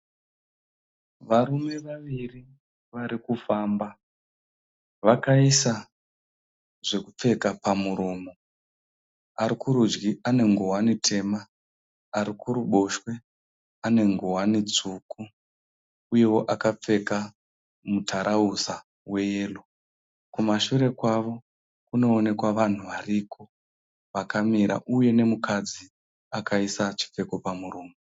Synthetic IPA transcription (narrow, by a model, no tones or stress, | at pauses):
ʋaɾume̞ʋaʋiri | ʋaɾikufaːmba | ʋakaisa | ʐe̞kup͡fe̞kapamuɾoːmo | aɾikuɾud͡ʒɡiʔane̞ŋɡowanitʰe̞maː | ɾikuɾuɓo̞ʃwe̞ | ane̞ŋɡowanit͡suku | uje̞wo̞ʔakap͡fe̞ka | mutʰaɾʔausa | we̞je̞ːlo | kumaʃuɾe̞kwaʋo̞ | kuno̞ːne̞kwaʋan̤uʋariːkʰo | ʋakamiɾa̰ʔuje̞ne̞mukad͡zi | akaisat͡ʃi̥p͡fe̞ko̞pamuruːmu